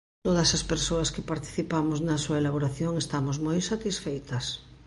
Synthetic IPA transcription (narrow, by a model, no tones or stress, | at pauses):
t̪oð̞ɐsaspeɾsoɐskepaɾt̪i̥θipamoznasuɐelaβoɾaθjoŋest̪amozmojsat̪isfejt̪ɐs